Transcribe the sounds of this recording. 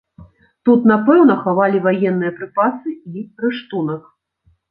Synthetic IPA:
t̪ut̪napɛwnɐxavalʲivajɛnːɨjɐpɾɨpasɨiɾɨʂt̪unɐk

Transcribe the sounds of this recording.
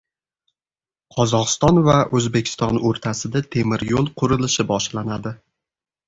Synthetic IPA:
qʰɒzɒqɨst̪ɒnvaʔɵzbe̞kʲʰɪ̥st̪ɒnoɾt̪ʰasɪd̪at̪ʰe̞mɪɾjolˠqʰʊɾɪlɪʃɪbɒʃlanad̪ɪ

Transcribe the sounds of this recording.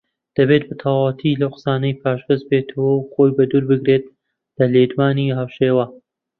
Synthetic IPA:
d̪̥ɐbet̪̚bat̪ʰɐwaːwɐt̪ʰilɐwqə̥saːnɐjpʰaːʃbɨzbet̪ʰɐwɐwxoːjbɐd̪uːɾbɨɡɾet̪̚ | lɐled̪waːniɦawʃeːwɐ

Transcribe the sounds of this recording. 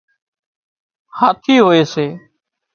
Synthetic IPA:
haːt̪ʰiːɦoːeːseː

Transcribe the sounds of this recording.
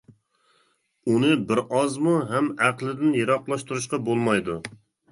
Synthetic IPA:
unɨbɪɾɑzmuɦɛmæqlˠɪd̪ɪnjeɾɑqlˠɑʃt̪uɾuʃ̬qɑbolˠmɑjd̪u

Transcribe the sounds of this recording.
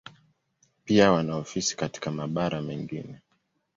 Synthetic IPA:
piawanaɔfisi̥kati̥kamaɓaɾamɛŋɡḭnɛ

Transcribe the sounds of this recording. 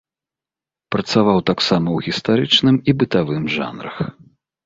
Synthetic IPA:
pɾɐt̪savawt̪aksamɐwɣʲist̪aɾɨt͡ʂnɨmibɨt̪avɨmʐa̰nɾɐ̰x

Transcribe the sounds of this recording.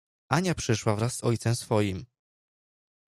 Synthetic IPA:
ʔaɲapʂɘʂwavɾasːɔjt̪sɛmsfɔjim

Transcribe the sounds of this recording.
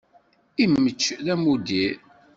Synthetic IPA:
imːət͡ʃːðæmud̪i

